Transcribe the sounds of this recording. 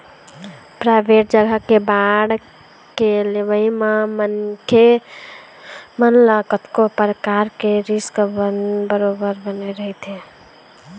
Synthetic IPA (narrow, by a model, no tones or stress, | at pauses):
pɾaɪbʱeʈ̚d͡ʒəɡʱəkebaɽ | kelebəimamənkʰe | mənləkət̪kopɾəkaɾkeɾiskbənbəɾobəɾbəneɾəɦɛt̪ɦe